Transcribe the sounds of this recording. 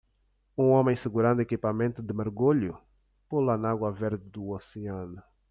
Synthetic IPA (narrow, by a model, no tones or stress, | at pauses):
ũõmẽj̃sɪɡuɾãnd̪ʊekipamẽnt̪ʊd̪ɪmeɾɡuʎʊ̰ | pulanaɡwɐveɾd̪ɪd̪uoseãnʊ